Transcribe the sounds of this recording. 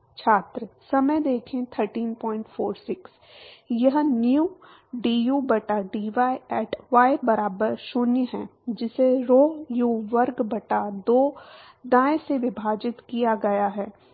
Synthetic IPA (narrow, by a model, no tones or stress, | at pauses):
t͡ʃʰaːt̪ɾəsɐməjd̪eːkʰẽt̪ʰəɾʈiːnpɔ̃ːɪ̃ɳʈfoːɾsɪks | jɐɦnjuː | ɖiːjuːbɐʈaɖiːʋaːeɛːʈʰʋaːebɐɾaːbəɾʃʊnjɦɛ̃d͡ʒɪseɾoːjuːʋɐɾɡbɐʈad̪oː | d̪ãːẽseʋɪbʱaːd͡ʒɪt̪kijaɡɐjaɦɛː